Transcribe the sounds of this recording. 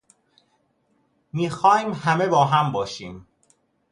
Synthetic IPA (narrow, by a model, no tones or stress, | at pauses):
miːxɒːmhæmebɒːɦæmbɒːʃiːm